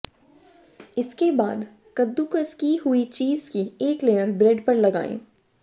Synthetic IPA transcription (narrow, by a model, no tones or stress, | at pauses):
ɪskebaːd̪ | kɐd̪ːukskiɦʊit͡ʃiːzkieːkleːəɾbɾɛɖpɐɾlɐɡa̰ːḛ̃ː